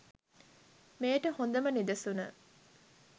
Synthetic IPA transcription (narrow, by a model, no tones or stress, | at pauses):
meːʈəhond̪əmənid̪əsunə